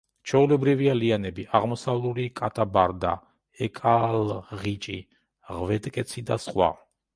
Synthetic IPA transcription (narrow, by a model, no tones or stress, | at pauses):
t͡ʃʰɛulɛbɾivialianɛbiaʁmɔsavlˠulikʼat̪ʰabaɾd̪a̰ | ɛkʼalʁit͡ʃʼi | ʁvɛt̪ʼkʼɛt̪sʰid̪asχwa̰